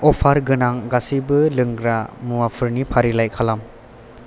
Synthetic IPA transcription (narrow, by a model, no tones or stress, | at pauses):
ɔpʰaɾɡɯnaŋɡasibɯlɯŋɡɾamuwapʰɯɾnipʰaɾilajkʰalam